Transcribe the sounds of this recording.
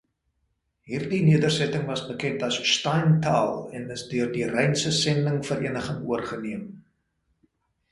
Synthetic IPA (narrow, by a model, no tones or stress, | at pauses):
ɦiːrdiniədərsɛtəŋvɐsbəkɛntɐsʃtɑjntʰɑ̰ːlˠɛnəsdyərdirɛjnsəsɛndəŋfəɾiənəχəŋuərχəniəm